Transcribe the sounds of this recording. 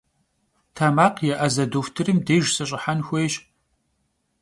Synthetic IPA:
tʰaːmaːqjɛʔɐzɐdoːftʰɨrɨmdeːʒsɐɕʼɪħanxʷejɕ

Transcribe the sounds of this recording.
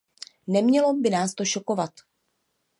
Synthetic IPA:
nɛmɲɛlo̞bɪnaːst̪oʃo̞ko̞vat̪

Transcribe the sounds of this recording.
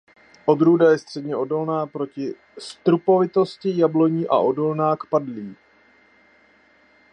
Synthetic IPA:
ʔo̞d̪ɾuːdajɛst̪r̝̥ɛdɲɛʔo̞do̞lnaːpɾo̞cɪ | st̪ɾupo̞vɪt̪o̞scɪjablo̞ɲiːʔa̰ʔo̞do̞lnaːkpadliː

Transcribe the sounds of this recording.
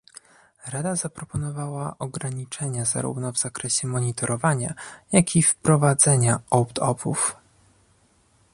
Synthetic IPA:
ɾad̪azapɾɔpɔnɔvawaʔɔɡɾaɲit͡ʂɛɲaza̰ɾṵvnɔvz̥akɾɛɕɛmɔɲit̪ɔɾʔɔvaɲajakʲʰifpɾɔvad̪zɛɲaɔwpt̪ʰɔpʰṵf

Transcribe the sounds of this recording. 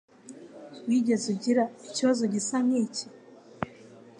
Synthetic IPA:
wiːɟezuɟiɾaiciβazo̞ɟisamici̥

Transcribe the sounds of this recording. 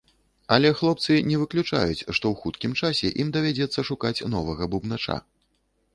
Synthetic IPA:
ɐlʲɛxlˠɔp̚t̪sɨnʲɛvɨklʲut͡ʂa̰jut͡sʲʂt̪ɔwxut̪kʲimt͡ʂasʲɛʔimd̪ɐvʲad͡zʲɛt̪sːɐʂukat͡sʲnɔvɐɣɐbubnat͡ʂa̰

